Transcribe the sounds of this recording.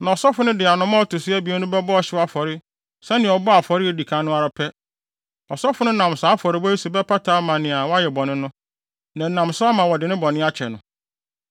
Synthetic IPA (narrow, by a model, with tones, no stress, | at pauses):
nã˨ɔ˨sɔ˦fʊ˨˦nʊ̃˦dɪ˨a˨nʊ̃˦mã˦ɔ˦tʰʊ˨sɪ˦æ˦bi˨˦ɛ˦nʊ̃˦bɛ˦bɔ˦ɔ˨ɕɪ˦wa˦fɔ˨ɾɪ˦ | sɛ˦nɪ̃˨ɔ˨bɔ˦a˨fɔ˨ɾɪ˦e˨di˨kʰã˦nʊ̃˦a˨ɾa˨pʰɛ˦ | ɔ˨sɔ˦fʊ˨˦nʊ̃˦nã˨msaː˨˦fɔ˨ɾɪ˦bɔ˦i˦su˨bɛ˦pʰa˦tʰaː˨˦mã˨nɪ̃˨a˨wɔ˦a˦jɛ˨bɔ̃˨nɪ̃˦nʊ̃˦ | nã˨nã˨msʊ˦a˦mã˨wɔ˨dɪ˨nɪ̃˦bɔ̃˨nɪ̃˦a˦t͡ɕʰɛ̰˨nʊ̃˨